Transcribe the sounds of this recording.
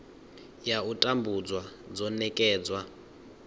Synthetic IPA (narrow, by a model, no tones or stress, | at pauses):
jautʼambud͡zwad͡zɔnɛkʼɛːd͡zwa